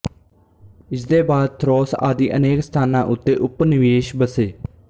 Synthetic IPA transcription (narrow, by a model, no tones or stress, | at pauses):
ɪsd̪eːbaːd̪̚t̪ʰɾɔːsa̰ːd̪iːʔəneːkst̪ʰaːnãːʔʊt̪ːeːʔʊpnɪʋeːʃbəseː